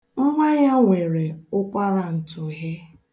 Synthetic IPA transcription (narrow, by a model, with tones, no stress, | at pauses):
ŋ̩˦ŋʷa˦ja˦ŋʷe˨ɾe˨ʊ˦kʷa˦ɾa˨n̩˨tʊ˨ɦe˦